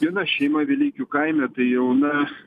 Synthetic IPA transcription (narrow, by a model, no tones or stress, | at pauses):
ɪnɐʃʲɛɪmɐʋʲilʲiːkʲukɐɪmʲɛt̪ɐɪjɛʊnɐ